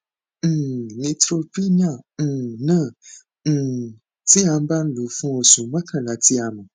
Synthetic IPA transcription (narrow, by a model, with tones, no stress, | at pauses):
nĩ˧tɾo˦pi˦ɲã˦˨nə̃˦˨ | ti˦a˨m˦ba˦n̩˦lo˨fɔ̃˦o˨sũ˨mə̃˦kʰã˨la˨ti˦a˨mə̃˨